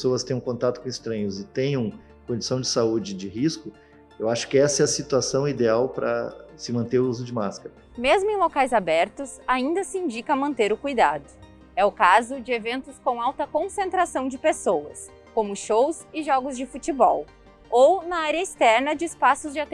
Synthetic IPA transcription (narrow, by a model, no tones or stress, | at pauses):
pesoɐst̪ẽj̃ũkõnt̪at̪ʊkõɪst̪ɾɐ̃ɲʊzɪt̪ẽj̃ũ | kõd͡ʒɪ̥isɐ̃w̃d͡ʒɪsaud͡ʒɪd͡ʒɪhiskʊ | ewaʃʊ̥kɪɛsɐɛɐsit̪uasɐ̃w̃id̪eawpɾɐ̰sɪmɐ̃nt̪eɾuzʊd͡ʒɪmaskɐɾɐ | mezmʊẽj̃lokajzabɛɾt̪ʊsaĩnd̪ɐsɪĩd͡ʒikɐmɐ̃nt̪eɾʊkujd̪ad̪ʊ | ɛʊkazʊd͡ʒɪevẽnt̪ʊskõw̃awt̪ɐkõsẽnt̪ɾasɐ̃w̃d͡ʒɪpesowɐs | kõmʊʃowsɪʒɔɡʊzd͡ʒɪfut͡ʃibɔw | ownɐaɾʲjɐɪst̪ɛɾnɐd͡ʒɪɪspasʊzd͡ʒɪat̪